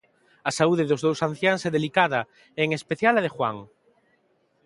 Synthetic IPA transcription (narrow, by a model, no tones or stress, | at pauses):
ɐsauðeðʊzðowsan̟θjaŋsɛðelikaðɐ | eŋespeθjalɐðexwa̰ŋ